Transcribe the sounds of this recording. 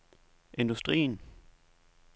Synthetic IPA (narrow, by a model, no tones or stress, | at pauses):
ʔe̝nd̥usd̥ʁḭːn